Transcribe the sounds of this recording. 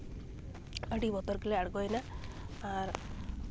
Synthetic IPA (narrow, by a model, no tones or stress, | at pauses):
əɽibɔt̪ɔɾkileaɽɡɔjnaaɾ